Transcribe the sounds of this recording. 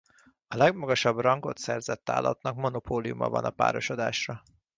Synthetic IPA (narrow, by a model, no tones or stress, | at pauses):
ɒlɛɡmɒɡɒʃɒbrɒŋɡo̞t̪sɛrzɛt̪ːa̰ːlːɒ̰t̪nɒkmo̞nopʰoːliumɒ̰vɒ̰nɒpa̰ːɾo̞ʃod̪aːʃrɒ